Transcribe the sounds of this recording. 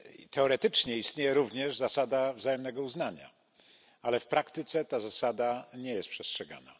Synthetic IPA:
t̪ɛɔɾɛt̪ɘt͡ʂɲɛist̪ɲejɛɾuvɲɛʐzasad̪avzajɛmnɛɡɔuznaɲa̰ | alɛfpɾakt̪ɘt̪sɛt̪azasad̪aɲɛjɛst̪pʂɛstʂɛɡa̰na̰

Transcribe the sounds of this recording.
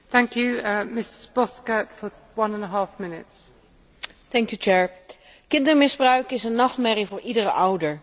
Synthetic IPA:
θæ̃ŋkʰjʉmɪsɪ̥zbɒskətfə | wʌ̃nə̃nəɦɑˑfmɪnɪts | tɛŋkjut͡ʃɛːɹ | kɪndəɹmɪzbrœɥkɪsənːɑχtmɛrivʊːɹʔidərəʔʌwdəɹ

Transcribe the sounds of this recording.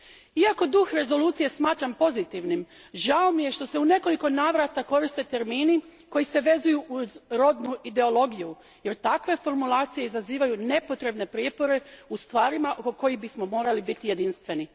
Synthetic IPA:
iako̞d̪uxɾe̞zo̞luːt̪sije̞smaːt̪ɾampo̞zit̪iʋnim | ʒaomije̞ʃt̪o̞se̞une̞ko̞liko̞naːʋɾat̪ako̞ɾist̪e̞t̪e̞ɾmiːniko̞jise̞ʋe̞zujuʔuzɾo̞d̪nuʔid̪e̞o̞lˠo̞ɡiju | je̞ɾt̪akʋe̞fo̞ɾmulaːt̪sije̞izaziːʋajune̞po̞t̪ɾe̞bne̞pɾijepo̞ɾe̞ust̪ʋaːɾimaʔokoko̞jixbismo̞mo̞ːɾalibit̪ije̞d̪inst̪ʋe̞ni

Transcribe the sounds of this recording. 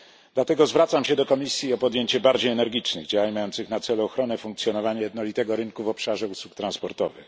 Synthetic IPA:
d̪lat̪ɛɡɔzvɾat̪samɕɛd̪ɔkɔmʲisʲjiɔpɔd̪jeɲt͡ɕɛbaɾd͡ʑejɛnɛɾɡʲit͡ʂnɛ̰ɣd͡ʑawaɲmajɔnt̪sɘxnat̪sɛluɔxɾɔnɛfuŋktsjɔnɔvaɲajɛd̪nɔlʲit̪ɛɡɔɾɘŋkuvɔpʂaʐɛuswukt̪ɾãnspɔɾt̪ɔ̰vɘ̰x

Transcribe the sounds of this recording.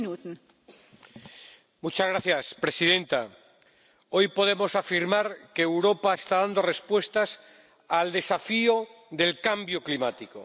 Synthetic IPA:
nut̪n | mut͡ʃazɣɾaθjaspɾe̞siðẽ̞nt̪a | o̞jpo̞ð̞e̞mosafiɾmaɾkeːwɾo̞paest̪aðand̪o̞re̞spwe̞st̪as | ald̪e̞safio | ðe̞lkambjo̞klimat̪iko̰

